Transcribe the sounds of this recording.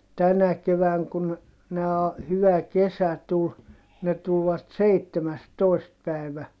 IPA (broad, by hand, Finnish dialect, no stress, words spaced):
tænæ keʋæːŋ kun næː hyʋæ kesæ tul ne tulʋɑt seitːemæstoi̯st pæi̯ʋæ